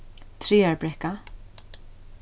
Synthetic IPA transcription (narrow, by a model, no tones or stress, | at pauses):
t̪ʰɾeːaɹbɾɛka